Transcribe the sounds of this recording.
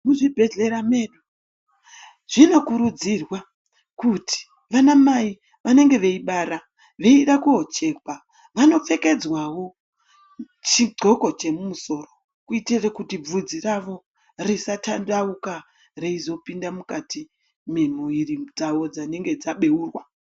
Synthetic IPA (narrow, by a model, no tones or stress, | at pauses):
muʐibʱe̞ɮe̞ɾameːɗu | ʐ̥ino̞kuɾud͡zirwa | kuti̥ | ʋanamai | ʋane̞ŋɡe̞ʋe̞iɓaɾa | ʋe̞iɗakuot͡ʃe̞ka | ʋano̞p͡fe̞ke̞d͡zwawo̞ | t͡ʃiɡ͡ǀʱo̞ko̞t͡ʃe̞mumuso̞ːro̞ | kuitirekutib͡vud͡ziraʋo̞ | risatandauka | reizo̞pindamukati | memuirid͡zaʋo̞d͡zane̞ŋɡe̞d͡zaɓe̞uːrwa